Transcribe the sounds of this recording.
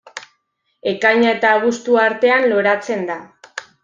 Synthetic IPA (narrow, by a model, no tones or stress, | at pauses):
e̞kaɲae̞t̪aːɣust̪uaɾt̪e̞anlo̞ɾat͡se̞nd̪a